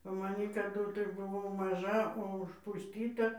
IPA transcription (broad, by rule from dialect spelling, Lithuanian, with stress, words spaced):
ʋɐ mɐˈnʲiː kɐˈdʊ tɐɪ bʊˈʋɐʊ mɐˈʒɐ oː ʊʃpʊsʲˈtʲiːtɐ